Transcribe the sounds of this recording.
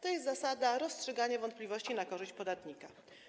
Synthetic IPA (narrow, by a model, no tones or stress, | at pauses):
t̪ɔjɛst̪zasad̪aɾɔstʂɛɡaɲavɔnt̪̚pʲlʲivɔɕt͡ɕinakɔʐɘɕt͡ɕpɔd̪at̪ɲika